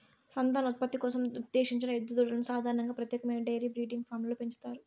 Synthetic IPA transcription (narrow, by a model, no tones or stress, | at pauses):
sɐnd̪aːnɐut̪̚pɐt̪ːikɔːsɐmud̪ːeːʂiɲt͡ʃinɐed̪ːud̪oɽɐlɐnusaːd̪ʱaːɾɐɳɐŋɡaːpɾɐt̪jɛːkɐmɐjnɐɖɐjɐɾiːbɾiːɖiŋɡpʰaːɾmloːpe̞ɲt͡ʃu̥t̪aːɾu